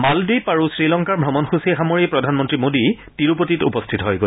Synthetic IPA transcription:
maldujpaɹusɹilɔŋkaɹbʱɹɔmɔnxusiexamoɹipɹɔdʱanmɔntɹimodi | tiɹupotitṵpɔstʰitɔɦɔjɡo

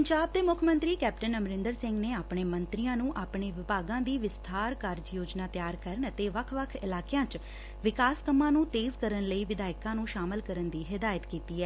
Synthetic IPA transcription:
əɲd͡ʒaːb̚d̪eːmʊkʰmə̃nt̪ɾiːkɛːp̚ʈənəmɾɪnd̪əɾsɪ̃ŋɡneːaːpɳeːmənt̪ɾijãːnũːʔaːpɳeːʋɪpaːɡãːd̪iːʋɪst̪ʰaːɾkaɾd͡ʒjoːd͡ʒnaːt̪jaːɾkəɾəɳət̪eːʋəkʰʋəkʰɪ̰laːkeãːt͡ʃ | ʋɪkaːskəmãːnũːt̪eːzkəɾənləiːʋɪd̪aːɪkãːnũːʃaːməlkəɾənd̪iːɦɪd̪aːjət̪kiːt̪iːɛː

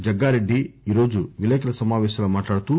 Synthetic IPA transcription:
d͡ʒɐɡːaːɾe̞ɖːiiːɾo̞ːd͡ʒuʋilɛːkɐlɐsɐmaːʋɛːʃɐlɐːmaːʈlaːɽut̪u

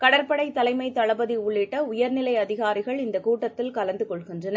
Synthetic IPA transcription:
kɐɽɐɾpɐɽɐɪt̪ːɐlɐɪmɐɪt̪ːɐɭɐbɐðiʊɭːɪʈːɐʊjɐɾnɪlɐɪɐðɪɣaːɾɪɣɐɭɪnd̪ɐkuːʈːɐt̪ːɪlkɐlɐnd̪ɯkɔɭɣɪndrɐnɐ

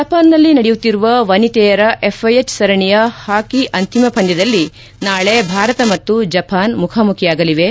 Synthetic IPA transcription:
d͡ʒɐpʰaːnːɐlːinɐɽɛjut̪ːiɾuʋɐʋɐnit̪ɛːjɐɾɐʔepʰːɐjet͡ʃːsɐɾɐɳijɐhaːkiʔɐnt̪imɐpʰɐnd͡ʒɐd̪ɐlːi | naːɭebʱaːɾɐt̪ɐmɐt̪ːud͡ʒɐpʰaːnmukʰamukʰijaːɡɐliʋe̞

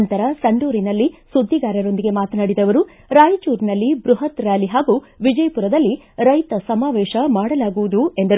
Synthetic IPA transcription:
nt̪ɐɾɐsɐɳɖuːɾinɐlːisud̪ʱːiɡaːɾɐɾo̞nd̪iɡe̞maːt̪ɐnaːɽid̪ɐʋɐɾu | ɾaːjit͡ʃuːɾnɐlːibɾuɦɐt̪ɾaːliɦaːɡu | ʋid͡ʒɐjɐpuɾɐd̪ɐlːi | ɾɐjt̪ɐsɐmaːʋɛːʃɐmaːɽɐlaːɡuʋud̪ue̞nd̪ɐɾ

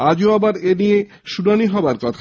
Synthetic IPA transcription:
ad͡ʑoabaɾenije | ʃunaniɦɔoaɾkɔt̪ʰa

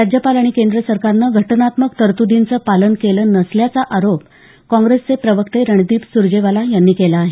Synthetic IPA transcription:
ɾad͡ʑjəpalaɽ̃ikend̪ɾəsəɾkaɾnəɡʱəʈnat̪məkt̪əɾt̪ud̪int͡səpalənkeləːnəsljat͡saʔaɾop̚ | kɔ̃ŋɡɾest͡sepɾəʋəkt̪eɾəɳd̪iːpsuɾd͡ʑeʋalajanːiːkelaːɦe

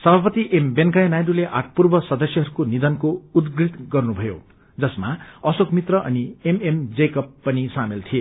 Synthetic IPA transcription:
sʌbʱapʌt̪iʔembenkajnajɖuleʔa̰ʈ̚ʰpurbʌsʌd̪ʌsjʌɦʌɾukonid̪ʌnkoud̪ɡrit̪ɡʌrnubʱʌjo̰ | d͡zʌsmaʌsokmit̪rʌʔʌ̰niememd͡zekʌpːʌnisamelt̪ʰie

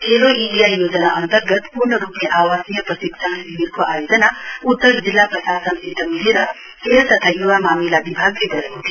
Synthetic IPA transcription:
eloʔiijajoːd͡ʒɐnaʔənt̪əɾɡət̪puɾɳəɾuːpijɐʔaːʋasnijɐpɾɐsiktʰanbiʋiɾkoʔaːjoːd͡ʒɐnaut̪ːəɾd͡ʒilːapɾɐsaːsɐnt̪it̪ɐmiliɾɐ | heːlt̪ɐt̪ʰajuʋamaːmilabibʱaːɡɾiɡɐɾut̪i

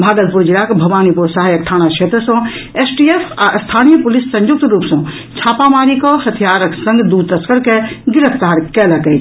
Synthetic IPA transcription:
bʱaːɡət̪̚puɾd͡ʒiɾakbʱɐʋaːnipuɾsaɦajək̚ʈʰaːñakʰet̪ɾəsɔ̃ | esʈiefʰast̪ʰanijəpulisːə̃njuk̚t̪ɾupsɔ̃ | t͡ʃʰaːpamaɾikɔhət̪ʰijaɾəksə̃ŋɡd̪ud̪̚t̪əskəɾkeɡiɾəpʰt̪aɾkɛləkɛt̪ʰ

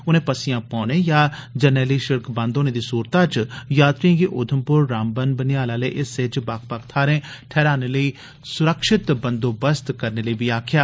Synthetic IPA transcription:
ʊn̤ẽːpəsɪjãːpɔ̃ːnẽjaːd͡ʒənɛːliʃɪɾkʰbãnd̪oːned̪isuːɾt̪ãːt͡ʃjaːt̪ɾiãɡiʔʊd̪ʱəmpʊɾːaːmbənbənɪjaːlaːleʔɪsed͡ʒbaːkʰpakʰt̪ʰaːɾẽːʈʰɛːɾaːneləi | sʊɾəkʃɪt̪bə̃nd̪oːbəst̪kɐɾneləibʱiaːkʰjaː

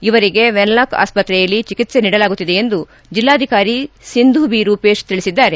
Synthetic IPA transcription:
iʋɐɾiɡe̞ʋenlaːka̰ːspɐt̪ɾɛjɐlːit͡ʃikit̪se̞niːɽɐlaːɡut̪ːid̪e̞end̪u | d͡ʒilːaːd̪ʱikaːɾisind̪ʱuːbiɾuːpe̞ːʃt̪iɭisid̪ːaːɾe̞

